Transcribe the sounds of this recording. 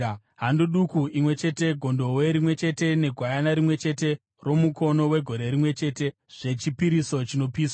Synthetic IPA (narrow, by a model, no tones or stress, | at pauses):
ɦanduɗukuimwe̞t͡ʃe̞te̞ɡʱo̞ndo̞we̞ɾimwe̞t͡ʃe̞te̞ne̞ɡʱwajanaɾimwe̞t͡ʃe̞te̞ | ro̞muko̞no̞we̞ɡʱo̞ɾe̞ɾimwe̞t͡ʃe̞ːte̞ | ʐ̥e̞t͡ʃipiɾisot͡ʃino̞piːswa